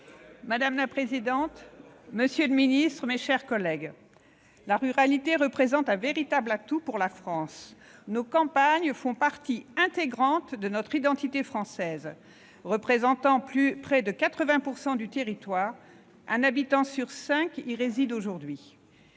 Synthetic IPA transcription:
mad̪amlapχezid̪ɑ̃t̪məsjøləminist̪χəmeʃɛʁkɔlɛɡ | laʁyʁalit̪eʁəpχezɑ̃t̪ɛ̃veʁit̪ablat̪upuʁlafχɑ̃snokɑ̃paɲfɔ̃paʁt̪iɛ̃t̪eɡʁɑ̃t̪d̪ənɔt̪χid̪ɑ̃t̪it̪efχɑ̃sɛz | ʁəpχezɑ̃t̪ɑ̃plypχɛd̪əkat̪χəvɛ̃puʁsɑ̃d̪yt̪eʁit̪waːʁ | ɛ̃nabit̪ɑ̃syʁsɛ̃kiʁezid̪oʒuʁd̪ɥi

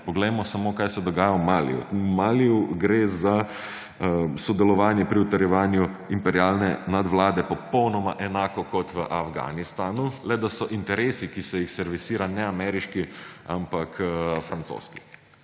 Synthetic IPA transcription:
pɔɡlɛjmɔsamoːkaːjsɛd̪ɔɡaːjawmaːlḭṵmaːliuɡɾeza | sɔd̪ɛlɔʋaːnjɛpɾiut̪ɐɾjɛʋaːnjuimpɛɾiaːlnɛnad̪ʋlaːd̪ɛpɔpɔwnɔmaʔɛnaːkɔkɔt̪ʋəʔafɡa̰ːnist̪aːnulɛd̪asɔʔint̪ɛɾeːsikisɛjixsɛɾʋisiːɾanɛamɛɾiʃkia̰mpakʰfɾant̪so̰ːski̥

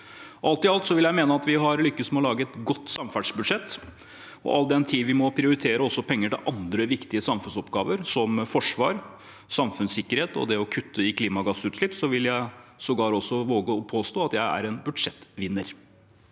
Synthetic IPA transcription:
ʔɑlt̪ɪɑlt̪sɔʋɪljæɪmeːnəɑt̪ʋɪɦɑɾlʏkːəsmɛɔlɑːɡəɛt̪ɡɔt̪ːsɑmfæɖʂbʉd̪ʂɛt̪ː | ɔ̰ʔɑld̪ɛnt̪ʰiːʋɪmɔpʰɾɪʊɾɪt̪ʰeːɾəɔsːɔpʰɛŋːəʈɪ̰lʔɑnd̪ɾəʋɪkt̪ɪəsɑmfʉnsɔpɡɑːʋəɾsɔmfɔʂʋɑ̰ːɾ | sɑmfʉnsɪkːəɾheːt̪ɔ̰d̪ɛɔkʰʉt̪ʰːəɪkʰliːmɑɡɑsʉːt̪ʂlɪpːsɔʋɪljæɪsɔɡɑːɾɔsːɔʋoːɡəɔpʰoːst̪oːɑt̪jæɪæ̰ɾɛnbʉd̪ʂɛt̪ːʋɪnːəɾ

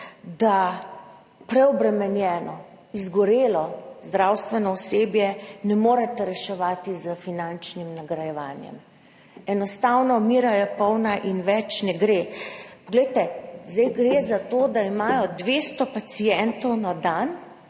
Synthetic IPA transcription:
d̪a | pɾɛɔbɾɛmɛnjɛːnɔ | izɡɔɾeːlɔzd̪ɾawst̪ʋɛnɔuseːbjɛnɛmoːɾɛt̪ɛɾɛʃɛʋaːt̪izəfinant͡ʃnimnaɡɾajɛʋaːnjɛ̰m | ɛnɔst̪awnɔmiːɾajɛpɔwnaʔinʋɛt͡ʃnɛɡɾeːpɔɡlɛɪjt̪ɛzd̪ɛjɡɾeːzat̪oːd̪aimaːjɔd̪ʋeːst̪ɔpat̪sijɛnt̪ɔwnad̪an

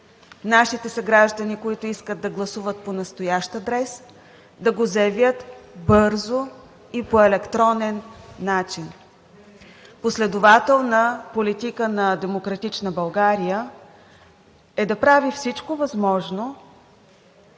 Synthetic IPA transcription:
naʃit̪ɛsɐɡɾaʒd̪ɐnikoit̪ʊiskəd̪d̪ːɐɡlˠɐsuvət̪̚ponɐst̪ojaʃt̪əd̪ɾɛs | d̪ɐɡozɐɛvʲjət̪bɤɾzo | ipoɛlɛkt̪ɾɔnɛnːat͡ʃin | poslɛd̪ʊvat̪ɛlˠnəpolit̪ikənɐd̪ɛmokɾɐt̪it͡ʃnəbɐlˠɡaɾijə | ɛd̪ɐpɾavifsit͡ʃkovɐzmɔʒno

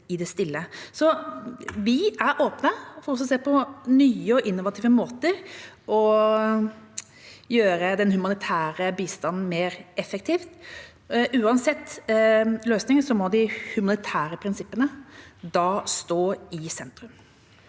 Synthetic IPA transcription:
ɪd̪ɛst̪ɪlːəsɔ | ʋɪæɾʔoːpnəfɔɾɔsɔseːpʰɔnyːəɔʔɪnːʊʋɑt̪ʰiːʋəmoːt̪əɾɔ | jøːɾəd̪ɛnhʉmɑnɪt̪ʰæːɾəbiːst̪ɑnn̩meːɾɛfɛk̚t̪ʰiːft̪ | ʔʉːɑnsɛt̪ː | løːsnɪŋəsɔmɔd̪ɪhʉmɑnɪt̪ʰæːɾəpʰɾɪnsɪpːənəd̪ɑːst̪oːɪsɛnt̪ɾʉm

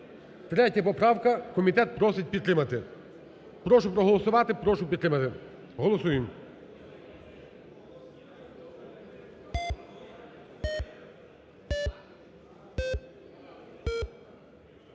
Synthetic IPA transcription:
t̪ɾɛtʲɐpɔpɾɑwkɐkɔmʲit̪ɛt̪̚pɾɔsɪt̚ʲpʲid̪t̪ɾɪmɐt̪ɪ | pɾɔʃʊpɾɔɦɔlˠɔsʊʋɑt̪ɪpɾɔʃʊpʲd̪t̪ɾɪmɐt̪ɪ | ɦɔlˠɔsujɪm

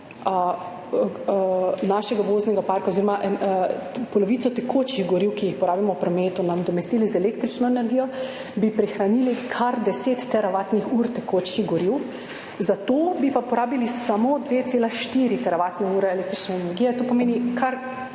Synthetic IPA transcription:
naʃɛɡaʋoːznɛɡapaːɾkaoziɾɔmaʔ | pɔlɔʋit̪sɔt̪ɛkʰoːt͡ʃiɣɡɔɾiwkijixpɔɾaːbimɔpɾɔmeːt̪unamd̪ɔmɛst̪iːlizɛleːkt̪ɾit͡ʃnɔɛnɛɾɡijɔ | bipɾixɾaniːlikʰaɾd̪ɛset̪ːɛɾaʋaːt̪nixuːɾt̪ɛkot͡ʃkiɣɡɔɾiw | zat̪oːbipapɔɾaːbilisamoːd̪ʋeːt̪seːlaʃt̪iɾit̪ɛɾaʋat̪nɛuːɾɛeleːk̚t̪ɾit͡ʃnɛɛnɛɾɡijɛt̪oːpɔmeːnikʰaɾ

